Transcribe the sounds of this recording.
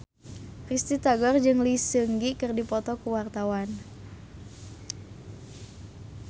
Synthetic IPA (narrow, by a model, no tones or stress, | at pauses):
rist̪it̪aɡɔrd͡ʒɨŋlisəŋɡikɨrdipɔt̪ɔkuwart̪awan